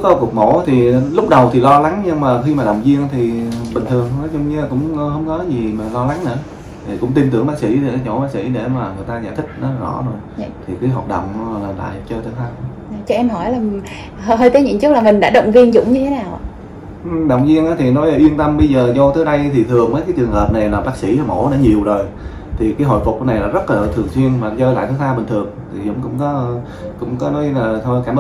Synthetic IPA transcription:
kɔ˨˦ku˨˩k̚mo̰˧˩˦t̪ʰi˨˩lʊ˦˥k͡p̚ɗə˨˩wt̪ʰi˨˩lɔ˧la˨˦ŋɲɨ˧ŋmaː˨˩xi˧maː˨˩ɗə̰˨wŋ͡mzi˧əŋ˧t̪ʰi˨˩ɓï˨˩ŋ̟t̪ʰɨ˨˩əŋnɔ˨˦zɔ˧wŋ͡mɲɨ˧aː˨˩kʊ̰˧˥ŋ͡mhə˧wŋ͡mkɔ˨˦zi˨˩maː˨˩lɔ˧la˨˦ŋnɨ̰ː˧˥ə | t̪ʰi˨˩kʊ̰˧˥ŋ͡mt̪i˧mt̪ɨ˧˩əŋɓaː˦˥k̚sḭ˧˩˥e˨˩a˨˦t͡ɕo̰˧˩ɓaː˦˥k̚sḭ˧˩ɗe˧˩maː˨˩ŋɨ˨˩əjt̪aː˧ɲa̰ː˧˩t̪ʰï˦˥k̟̚nɔ˨˦la˨˩zɔ̰˧˩zo˨˩jt̪ʰi˨˩kɨː˨˦ɦɔː˨˩t̚ɗə̰˧˨wŋ͡mlaː˨˩la̰ː˧˨jt͡ɕəː˧jt̪əː˨˦jhʰaː˧ŋ̚˨˦˧t͡ɕɔ˧˩ʔɛ˧mɦɔ˧˩jlaː˨˩ | hə˧ɦəː˧jt̪əː˨˦ɲɨ̰˧˨˦ŋt͡ɕɨ˦˥k̚laː˨˩mï˨˩ŋ̟ɗa̰ː˧˥ɗə̰˧˨wŋ͡mvi˧ənzʊ̰˧˥ŋ͡mɲɨ˧t̪ʰe˨˦naː˨˩w | ʔɗə˨˩wŋ͡mzi˧ənʔaː˨˦t̪ʰi˨˩nɔ˨˦jʔə˧˩ʔwi˧ənt̪ə˧mɓə˧jzəː˨˩zɔ˧t̪əː˨˦jɗə˧jt̪ʰi˨˩t̪ʰɨ˨˩əŋməː˨˦jkaː˨˦jt͡ɕwɨ˨˩əŋhəː˨˩p̚na˨˩jlaː˨˩ɓaː˦˥k̚sḭ˧˥˨mo̰˧˥ɗa̰˧˦ɲi˨˩əwzo˨˩j | t̪ʰi˨˩kaː˨˦jɦo̰˧˨jfʊ˨˩k͡p̚na˨˩jla̰ː˧˥zə˦˥t̚laː˨˩t̪ʰɨ˨˩əŋswi˧ənmaː˨˩t͡ɕəː˧jla̰ː˧˨jt̪əː˨˦t̪ʰaː˧ɓï˨˩ŋ̟t̪ʰɨ˨˩əŋt̪ʰi˨˩zʊ̰˧˥ŋ͡mkʊ̰˧˥ŋ͡mkɔ˨˦˧ | kʊ̰˧˥ŋ͡mkɔ˨˦nɔ˨˦jlaː˨˩t̪ʰkaː˧˩mɓ

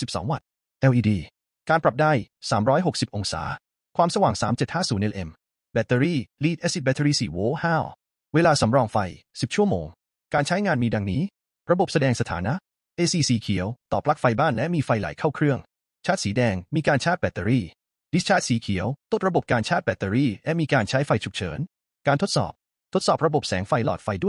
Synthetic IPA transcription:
si˨˩p̚sɔ̰ː˩˦ŋwa̰˨˩t̪̚ | ʔɛ˧wʔiː˧diː˧ | kaː˧npɾa˨˩p̚daː˥˩jsaː˩˦mɾɔː˦˥jɦo˨˩k̚si˨˩p̚ʔo˧ŋsa̰ː˩˦ | kʰwaː˧msa˧waː˨˩ŋsaː˩˦mt͡ɕe˨˩t̪̚haː˥˩suː˩˦nʔe˧lʔe˧m | bɛ˨˩t̪ːe˧ɾiː˥˩liː˦˩t̪̚ʔe˦˥si˨˩t̪̚bɛ˧˩t̪ʰe˧ɾiː˥˩siː˨˩woː˦˥haː˥˩w | weː˧laː˧sa˩˦mɾɔː˧ŋfa˧j | si˨˩p̚t͡ɕʰu˥˩əmoː˧ŋ | kaː˧nt͡ɕʰa˦˥jŋaː˧nmiː˧da˧ŋniː˦˥ | ɾa˧bo˨˩p̚sa˧dɛː˧ŋsa˧t̪ʰaː˩˦na˦˥ʔ | ʔeː˧siː˧siː˨˩˦kʰi˩˦əwt̪ɔː˨˩p̚la˦˥k̚fa˧jbaː˥˩nlɛ˦˥miː˧fa˧jla̰˩˦jkʰaː˥˩wkʰɾɯ˥˩əŋ | t͡ɕʰaː˥˩t̪̚siː˩˦dɛː˧ŋmiː˧kaː˧nt͡ɕʰaː˥˩t̪̚bɛ˨˩t̪ːə˧ɾiː˥˩ | di˦˥t͡ɕʰaː˥˩t̪̚siː˨˦kʰi˩˦əwt̪o˥t̪̚ɾa˧bo˨˩p̚kaː˧nt͡ɕʰaː˥˩t̪̚bɛ˨˩t̪ːe˧ɾiː˥˩lɛ˦˥miː˧kaː˧nt͡ɕʰa˦˥jfa˧jt͡ɕʰu˨˩k̚t͡ɕʰɤ̰ː˩˦n | kaː˧nt̪ʰo˦˥t̪̚sɔ̰ː˨˩p̚ | t̪ʰo˦˥t̪̚sɔː˨˩p̚ɾa˧bo˨˩p̚sɛ̰ː˩˦ŋfa˧jlɔ̰ː˨˩t̪̚fa˧jdu˥˩˨

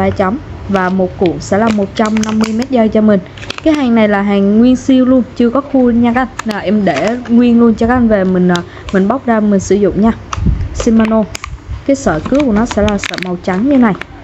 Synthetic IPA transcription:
aː˧˩t͡ɕɔ˨˦wŋ͡mvaː˨˩mo˨˩t̚ku˧˩əŋsɛ̰˧˥laː˨˩mo˨˩t̚t͡ɕa˧mna˧mːɨ˧əjmɛ˦˥t̚zə˧jt͡ɕɔ˧mï˨˩ŋ̟ | kaː˨˦ɦaː˨˩ŋna˨˩jlaː˨˩ɦaː˨˩ŋːwi˧ənsi˧əwlu˧ənt͡ɕɨ˧əkɔ˨˦xu˧ɲa˧ka˧˥ʔna˨˩ʔɛ˧mɗe˧˩ŋwi˧ənlu˧ənt͡ɕɔ˧kaː˦˥ʔnve˨˩mï˨˩ŋ̟ː˨˩ | mï˨˩ŋ̟ɓa˦˥wk͡p̚zaː˧mï˨˩ŋ̟sɨ̰˧˩˦zʊ̰˧˨ŋ͡mɲaː˧si˧nma˧no˧kaː˨˦jsəː˧˩kɨ˨˦əku˧˩ənɔ˨˦sɛ̰˧˥laː˨˩sə̰ː˧˩ma˨˩wt͡ɕa˨˦ŋɲɨ˧˩na˨˩j

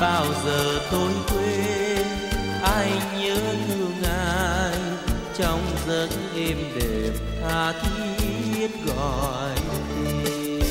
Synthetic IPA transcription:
ɓaː˧wzəː˨˩t̪o˧jkwe˧n | ʔaː˧jɲəː˨˦t̪ɨ˧əŋʔaː˧j | t͡ɕɔ˧wŋ͡mzə˧˥n | ʔɛ˧mɗe˨˩m | t̪aː˧˩t̪ʰi˧˦˥ət̚ɣɔ̰˧˨˩ | jti˧

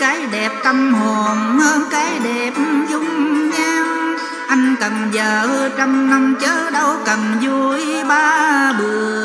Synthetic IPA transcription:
kaː˨˦jɗɛ˨˩p̚t̪a˧mho˨˩nhəː˧nkaː˨˦jɗɛ˨˩p̚zʊ˧ŋ͡mɲaː˧w | ʔa˧jŋ̟k̪ə˨˩ŋzəː˨˩hə˧t͡ɕɔ˧mna˧wŋ͡mt͡ɕəː˨˦˥ɗə˧wkə˨˩mzu˧jɓaː˧ɓɨ˨˩ə

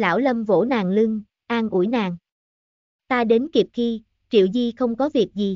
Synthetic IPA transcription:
la̰ː˧˩wlə˧mvo̰˧˥naː˨˩ŋlɨ˧ŋ | ʔaː˧ŋʔṵ˧˩jnaː˨˩ŋ | t̪aː˧ɗe˨˦nki˨˩əp̚xi˧ | t͡ɕḭ˧˨əwzi˧xə˧wŋ͡mkɔ˨˦vi˨˩ək̚zi˨˩

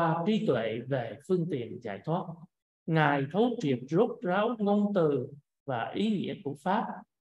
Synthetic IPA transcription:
aː˧t͡ɕi˨˦t̪wḛ˧˨ve˨˩fɨ˧əŋt̪ḭ˧˨ənza̰ː˧˩jt̪ʰwaː˦˥t̚ | ŋaː˨˩jt̪ʰə˨˦wt͡ɕi˨˩əp̚zo˦˥t̚zaː˨˦wŋo˧nt̪ɨ˨˩ | vaː˨˩ʔi˨˦ŋḭ˧˥əku˧˩əfaː˦˥p̚

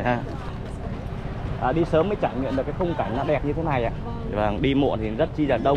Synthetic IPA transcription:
aː˧ | ʔaː˨˩ɗi˧səː˨˦mːəː˨˦jt͡ɕaː˧˩jŋḭ˧˨nɗɨ˨˩kaː˨˦kxə˧wŋ͡mkaː˧˩ŋ̟nɔ˨˦ɗɛ˨˩p̚ɲɨ˧t̪ʰe˨˦na˨˩jʔa̰ː˧˨ | vaː˧˩ŋɗi˧mṵ˧˨ənt̪ʰi˨˩˨zə˦˥t̚t͡ɕi˧zaː˨˩ŋɗə˧wŋ͡m

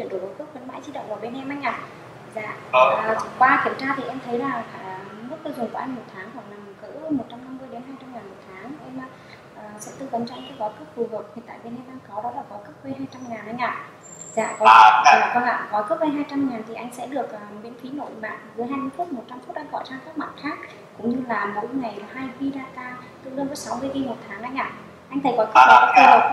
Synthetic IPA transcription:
t͡ɕi˧˩ənɗo̰˨˧˩mo˨˩kɨ˦˥k̚kwə˧˦nma̰ː˧˥jzi˧˥ɗə̰˧˨ŋ͡mʔaː˨˩ɓe˧nʔɛ˧mʔa˧ŋ̟ʔaː˧˨˩ | zaː˧˩˨ʔəː˨˩t͡ɕʊ˨˧˩ŋ͡mkwaː˧ki˧˩əmt͡ɕaː˧t̪ʰi˨˩ʔɛ˧mt̪ʰə˨˦jlaː˨˩a˧˩˨mɨ˦˥t̚k̪ə˧zʊ˨˩ŋ͡mkə˨˧˩ʔɛ˧ŋ̟mo˨˩t̚t̪ʰaː˨˦ŋɦwa˨˩k̚la˨˩m˨˩kɨ̰˧˥mo˨˩t̚t͡ɕa˧mna˧mːɨ˧əjɗe˨˦nɦaː˧jt͡ɕa˧mŋaː˨˩nmo˨˩t̚t̪ʰaː˨˦ŋʔɛ˧maː˨˩ | ʔəː˨˩sɛ̰˧˥t̪ɨ˧kə˨˦ŋ͡mt͡ɕɔ˧ʔa˧ŋkɛ̰˧˥kɔ˨˦kɨ˦˥p̚fu˨˩ɦɨ˨˩k̚t̪ʰi˨˩t̪a̰ː˧˨jɓe˧nʔɛ˧mɗaː˧ŋkɔ˨˦ɗɔ˨˦laː˨˩kɔ˨˦kə˦˥p̚we˧jɦaː˧jt͡ɕa˧mŋaː˨˩nʔa˧jŋ̟ʔa̰ː˧˨ | za̰ː˧˨kɔ˨˦˥t̪ʰi˨˩laː˨˩kɔ˧˦nʔa̰ː˧˨kɔ˨˦kə˦˥p̚we˧jɦaː˧jt͡ɕa˧mŋaː˨˩nt̪ʰi˨˩ʔa˧jŋ̟sɛ̰˧˥ɗɨ˨˩ək̚ʔəː˨˩mḭ˧˥ənfi˨˦no̰˧˨jma̰ː˧˨n˨zɨ˨˦jɦaː˧jmɨ˧˨˦fu˦˥t̚mo˨˩t̚t͡ɕa˧mfu˦˥t̚ɗa̰˧ŋvɔ̰˧˨t͡ɕaː˧ŋkaː˦˥k̚ma̰˨˩t̚xaː˦˥k̚ | kʊ̰˧˥ŋ͡mɲɨ˧laː˨˩mo̰˧˥jŋa˨˩jhaː˧jvi˧ɗaː˧kaː˧t̪ɨ̰˧˨lə˧nvə˨˦sa˨˦wmɨ˧əjvi˧mo˨˩t̚t̪ʰaː˨˦ŋʔa˧jŋʔa̰ː˧˨ | ʔa˧jŋ̟t̪ʰə˨˩jkɔ˨˦kə˦˥p̚hə˧˨˩kaː˦˥k̚fu˧˩hɨː˨˩k̚

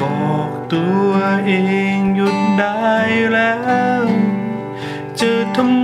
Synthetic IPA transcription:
ɔ˧˩ | t̪u˧əʔe˧ŋzu˧˥t̪̚ɗa˧˦jlɛ˧˦w | t͡ɕəː˧˩t̪ʰə˧˥m

